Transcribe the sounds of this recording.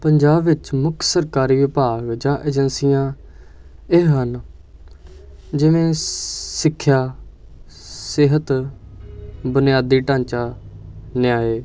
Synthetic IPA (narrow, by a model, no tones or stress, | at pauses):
pəɲd͡ʒaːbʋɪt͡ʃmʊkʰsəɾkaːɾiːʋɪpaːɡd͡ʒãːʔeːd͡ʒənsijãː | ɪɦɦən | d͡ʒɪʋẽːsɪkʰːjaː | sɪɦət̪ | bʊnɪjaːd̪iːʈãːɲt͡ʃaːnɪjaːeː